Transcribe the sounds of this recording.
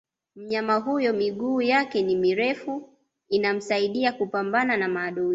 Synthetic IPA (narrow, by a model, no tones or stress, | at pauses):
m̩ɲamaɦujɔmiɠuːjakɛnimiɾɛfu | inam̩saiɗiakupambananamaːɗui